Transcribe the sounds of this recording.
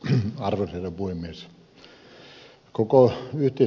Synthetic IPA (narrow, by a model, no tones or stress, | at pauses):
ɑrʋorserɑpuhemmies | kokoyht̪ei